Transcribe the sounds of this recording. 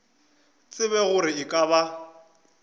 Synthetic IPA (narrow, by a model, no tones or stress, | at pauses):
t͡sʼɪβɛɣʊɾɪɪkʼaba